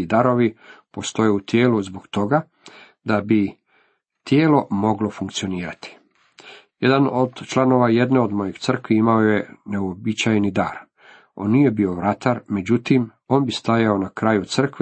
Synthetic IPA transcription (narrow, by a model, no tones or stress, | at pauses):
id̪aɾo̞ʋipo̞st̪o̞jeut̪jeːluzboɡt̪o̞ɡa | d̪abi | t̪jeːlo̞mo̞ɡlo̞fuŋkt̪sio̞niːɾat̪i̥ | jed̪anod̪t͡ʃlˠano̞ʋaje̞d̪ne̞o̞d̪mo̞jeɡt̪sr̩kʋiimaoje̞ne̞uobit͡ɕajnid̪a̰ːɾ | o̞̰nːije̞bio̞ʋɾat̪aɾme̞d͡ʑut̪im | o̞ːnbist̪ajao̞nakɾaːjut̪sr̩kʋe